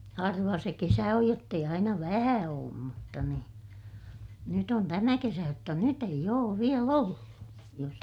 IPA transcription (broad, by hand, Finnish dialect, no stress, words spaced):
hɑrʋɑ se kesæ oj jotː eij ɑinɑ ʋæhæ oːm mutːɑ ni nyt on tæmæ kesæ jotːɑ nyt eij oːʋ ʋiel olːu jos